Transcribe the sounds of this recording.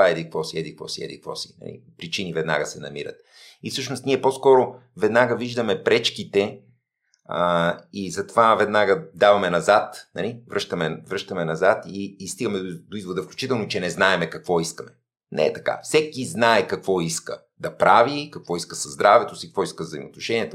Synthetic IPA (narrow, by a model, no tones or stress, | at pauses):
aɛd̪ik̚kvɔsiɛd̪ikvɔ̰siɛ̰d̪ḭkvɔ̰si̥̰nɐ̰lḭpɾit͡ʃinivɛd̪na̰ɡəsɛnɐ̰miɾə̰t̪̚ | ifsɤʃnost̪niɛposkɔɾo | vɛd̪naɡəviʒd̪əmɛpɾɛt͡ʃkit̪ɛ | izɐt̪ovavɛd̪naɡəd̪avɐmɛnɐzat̪nɐ̰livɾɤʃt̪ɐmɛvɾɤʃt̪ɐmɛnɐzat̪iːst̪iɡəmɛd̪oizvod̪əfklʲut͡ʃit̪ɛlˠnot͡ʃɛnɛznaɛmɛkɐkvɔiskəmɛ | nɛ̰ɛt̪ɐ̥ka̰fsɛkiznaɛkɐkvɔiskə̰ | d̪ɐpɾavikɐkvɔiskəsɐzd̪ɾavɛt̪osikəkvɔiskəvzɐimo̰ːt̪noʃɛniɛt̪o